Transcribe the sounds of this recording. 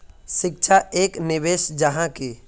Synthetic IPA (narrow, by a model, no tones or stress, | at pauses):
ʃɪk̚t͡ʃʰaeːknɪʋeːʃd͡ʒəɦãke